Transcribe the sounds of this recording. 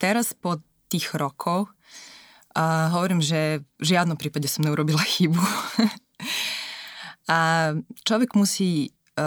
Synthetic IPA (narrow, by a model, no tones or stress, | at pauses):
t̪ɛɾaspɔ | t̪iːɣɾɔkʰɔʊ | ɦɔʋɔɾiːmʒɛʒɪad̪nɔmpɾiːpaɟɛsɔmɲɛuɾɔbilaxibu | at͡ʃlɔʋɛɡmusiː